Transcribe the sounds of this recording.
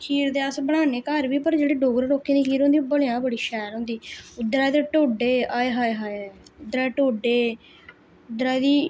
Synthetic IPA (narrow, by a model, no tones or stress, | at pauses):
t͡ʃʰiːɾd̪eːəsbəɽ̃aːneːkəɾʋiːpəɾd͡ʒeːɽeːɖoːɡəɾɾoːkːiːniːkiːɾõːnd̪iːbəlejãːbəɽiːʃɛːɾɦõːnd̪iːʊd̪ɾaːjd̪eːʈoːɖeːaːeɦaːeɦaːʊd̪ɾaːʈoːɖeː | ʊd̪ɾaːd̪iː